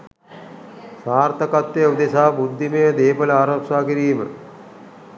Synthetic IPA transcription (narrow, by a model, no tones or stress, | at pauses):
saːɾt̪ɐkat̪jeud̪esaːbud̪ʱːimejəd̪eːpəlaːɾɐpsaːkiɾiːmə̰